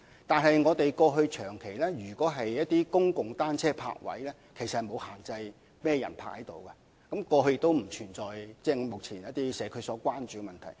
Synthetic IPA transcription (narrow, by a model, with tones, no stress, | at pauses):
t̪aː˨nɦɐ˨˩jŋɔː˨˧t̪e˨jkɔː˧ɦɵ˧ɥt͡ʃʰœː˨˩ŋkʰe˨˩jlɛː˥ɥyː˨˩kʷɔː˨˥ɦɐ˨jjɐ˥t̚t̪iː˥kʊ˥ŋkʊ˨ŋt̪aː˥nt͡sʰɛː˥pʰa̰ː˧k̚wɐ̰˨˥jlɛː˥ | kʰe˨˩jsɐ˨hɐ˨˩mo˨˧whaː˨˩ŋt͡sɐ˧j | mɛː˥jɐ˨˩npʰa̰ː˧˥hɐ˨˦jt̪o˨wkɐ˧ | kɐ˨˥mkɔː˧ɦɵ˧jɪ˧k̚t̪o˥wm̩˨˩t͡ʃʰyː˨˩nt͡sɔː˨˩jt͡sɛː˥˩ŋɔ˨˧mʊ˨k̚t͡sʰiː˨˩njɐ˥t̪iː˥sɛː˨˧˥kʰɵ˨˧ɥsɔː˨˥kʷaː˥nt͡ʃyː˨ɡɛ˧mɐ˨nt̪ʰɐ˨˩j